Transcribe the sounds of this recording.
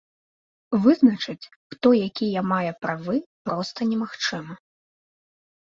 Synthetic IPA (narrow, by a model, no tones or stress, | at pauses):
vɨznɐt͡ʂɨt͡sʲ | xt̪ɔjakʲijɐmajɛpɾʔavɨpɾɔst̪ɐnʲɛmaxt͡ʂɨmɐ